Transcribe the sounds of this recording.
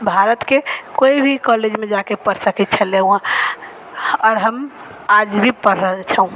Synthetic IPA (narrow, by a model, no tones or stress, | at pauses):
bʱaɾət̪kekoibʱikɔled͡ʒmed͡ʒakepəɾsəkɛt̪̚t͡ʃʰəleũã | ɔɾɦəm | ad͡ʒbʱipəɾːəɦt͡ʃʰəũ